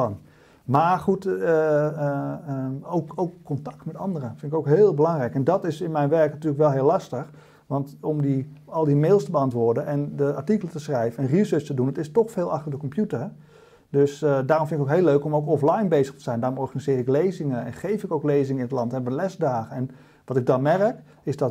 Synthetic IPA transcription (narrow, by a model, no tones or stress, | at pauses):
ɑn | maːχut | owkowkːɔntɑ̥k̚tmɛtɑndərəfɪnɪkoʊwkɦɪːlˠbəlɑŋrɛjkɛndɑtɪsɪnmɛjnʋɛɹknatyːləkʋɛlˠɦɪːlˠːɑstəx | ʋɑntɔmdiɑlˠdimeːlˠstəbəɑntʋʊːɹdənʔɛndəaɹtikələtəsrɛjvənɛnrisøːstədunətɪstɔxfeːlˠɑxtəɹdəkɔmpjutər | døsdaːrɔmfɪnɪkokɦeːløɥkɔmowkɔflajnbejzəxtəz̥ɛjndaːrɔmɔɹχanizɪːɾɪklejzɪŋəɛnχejfɪkowklejzɪŋəɪnətlɑntɛnɛpbənlɛzdaːxənɛn | ʋɑtɪɡ̚dɑnmɛrək | ɪzdɔt